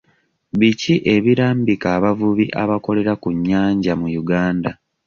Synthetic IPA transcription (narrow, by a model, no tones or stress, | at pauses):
βiciʔe̞βiɾaːmbikaːβavuβiʔaβako̞le̞ɾakuɲːaːɲɟamujuɡaːnda